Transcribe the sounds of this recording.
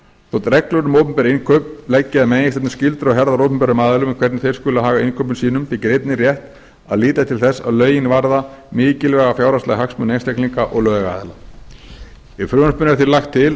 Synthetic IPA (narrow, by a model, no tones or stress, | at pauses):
θɔt̪ɾɛklœɾnʏmowpʏmpɛɾainkʰœpnlɛcːɪaðmeːjɪsθɛt̪nɪscɪlt̪ɾaɦɛɾðaɾowpʏmpɛɾʏmaːðʏlʏmɪkʰvɛɾt̪nθejɾ̥skʏːlaɦaːɣainkʰœpʏnsiːnʏmpɪcɾeɪt̪nɪrjɛht̪ | a̰ðliːt̪aðt̪ʰɪlθɛsːa̰ðlœːɥjɪnvaɾðamɪːcɪlvɛːɣafjawɾast̪aɣɦaksmʏnejnst̪ɛkliŋkaʔɔ̰ɣlœːɣvɛɣaa̰ːðla | ɪfɾʏːanspʏnːɾθiɾlaxt̪ʰːɪl